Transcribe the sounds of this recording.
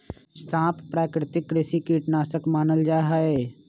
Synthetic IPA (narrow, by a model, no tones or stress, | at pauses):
sãːpʰpɾaːkɾɪt̪ɪkːɾɪsikiːʈnaːsəkmaːnəld͡ʒaːɦaeː